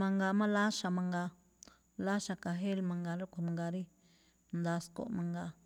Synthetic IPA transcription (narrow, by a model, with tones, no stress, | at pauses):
mã˧ŋɡa˧mã˦la˦ʃa˨mã˧ŋɡa˧ | la˦ʃa˨ka˨ɦe˦lmã˧ŋɡa˧ɾo˦kʷa˨mã˧ŋɡa˧ɾi˦ | nd̪a˧sko̰˨ʔmã˧ŋɡa˧